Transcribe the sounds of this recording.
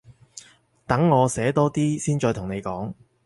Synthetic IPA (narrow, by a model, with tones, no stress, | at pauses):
t̪ɐ˨˥ŋːɔː˨˧sɛː˨˥t̪ɔː˥t̪iː˥siː˥nt͡ʃɔː˧t̪ʰʊ˨˩ŋne˨˧jkɔː˨˥ŋ